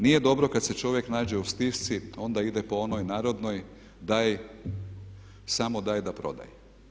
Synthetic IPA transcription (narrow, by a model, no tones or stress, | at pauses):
nije̞d̪o̞bɾo̞kad̪se̞t͡ʃo̞ʋje̞knaːd͡ʑeust̪iʃt̪sio̞nd̪aid̪epo̞onojnaːɾo̞d̪noj | d̪aj | samod̪aːjd̪apɾo̞̰d̪a̰je